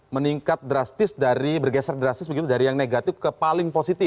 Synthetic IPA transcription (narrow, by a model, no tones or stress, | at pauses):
məniŋkat̪̚dɾast̪ɪsdaɾibərɡɛsərdɾast̪ɪs̬bəɡit̪udaɾijaŋneɡat̪ɪfkəpalɪŋposit̪ɪ